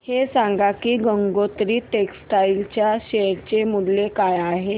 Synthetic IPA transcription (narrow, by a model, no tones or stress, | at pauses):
hesãŋɡakiːɡəŋɡot̪ɾiːʈeksʈailt͡ɕjaɕeɾt͡ɕemudlekajaɦe